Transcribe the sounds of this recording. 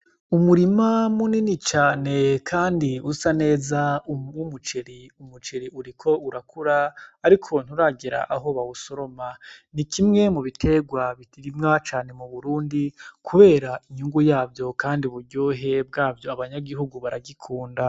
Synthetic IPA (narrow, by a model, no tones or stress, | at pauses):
umuɾimamuninit͡ʃaːne̞kʰaːndiusane̞ːzauumut͡ʃe̞ɾiumut͡ʃe̞ɾiʔuɾikʰo̞uɾakʰuɾaːɾikʰo̞n̥huɾaɡeɾa̰ʔaɦo̞βawuso̞ɾo̞manikʰimŋe̞muβitʰe̞ɡwaβitiɾimŋat͡ʃaːne̞muβuɾuːndikʰuβe̞ːɾaʔiɲuŋɡujaːbjo̞kaːndiβuɾɟoːɦe̞b̚ɡaːbjo̞aβaɲaɡiɦuɡuβaɾaɡikʰuːnda